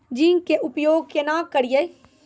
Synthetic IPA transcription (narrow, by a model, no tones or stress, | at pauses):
d͡ʒĩːŋkeʔʊpjoːɡ̚kenãːkɐɾijej